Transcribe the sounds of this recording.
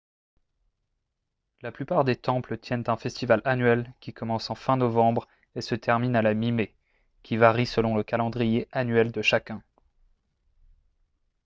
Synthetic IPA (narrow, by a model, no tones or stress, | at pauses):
laplypaʁd̪et̪ɑ̃plət̪ʰjɛnt̪ɛ̃fɛst̪ivalanɥɛlkʲikɔmɑ̃sɑ̃fɛ̃nɔvɑ̃bʁ | esət̪ʰɛʁminalamime | kʲivaʁisəlɔ̃ləkalɑ̃d̪ʁijeʔanɥɛld̪əʃakʲɛ̃